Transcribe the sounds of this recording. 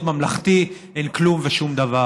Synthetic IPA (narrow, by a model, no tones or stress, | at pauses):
t̪mamlaχt̪iʔenklumveʃumd̪ava